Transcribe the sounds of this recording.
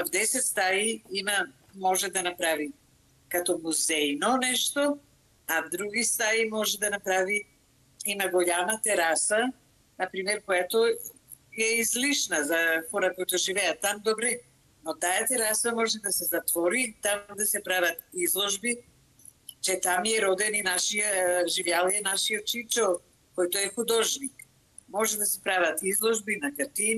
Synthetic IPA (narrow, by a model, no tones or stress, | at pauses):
vd̪ɛsɛt̪st̪aiima | mɔʒɛd̪anapɾavi | kat̪ɔmuzɛjnɔnɛʃt̪ɔ | avd̪ɾuɡist̪aimɔʒɛd̪anapɾavi | imaɡɔʎamat̪ɛɾasa | napɾimɛɾkojat̪ɔ | jɛizliʃnazafɔɾakɔjt̪ɔʒivɛat̪ːamd̪ɔbɾɛ | nɔt̪ajat̪ɛɾasamɔʒɛd̪asɛzat̪vɔɾit̪amd̪asɛpɾavat̪izlˠɔʒbi | t͡ʃɛt̪amiɛɾɔd̪ɛninaʃiaʒivjalˠijɛnaʃiɔt̪̚t͡ʃit͡ʃɔl | kɔjt̪ɔɛxud̪ɔʒnik | mɔʒɛd̪asɛpɾavat̪izlˠɔʒbinakaɾt̪in